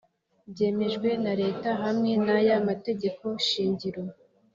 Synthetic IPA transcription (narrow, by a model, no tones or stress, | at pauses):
bɟe̞ːme̞ʒɡwe̞naɾe̞ːtaɦamŋe̞najamate̞ɟe̞ko̞ʃiːɲɟiɾo̞